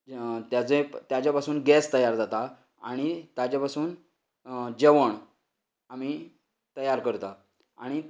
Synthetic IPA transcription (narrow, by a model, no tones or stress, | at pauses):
t̪jat͡set̪jat͡ɕjapasuːnɡɛst̪əjaɾd͡zat̪a | aɽ̃it̪jat͡ɕjapasuːn | d͡ʑeʋəɳ | am̤i | t̪əjaɾkəɾt̪a | a̰ɽ̃i